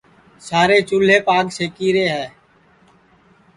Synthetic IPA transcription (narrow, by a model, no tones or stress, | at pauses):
saːɾeːt͡ʃʊl̤eːpaːɡseːkiːɾeːɦɛː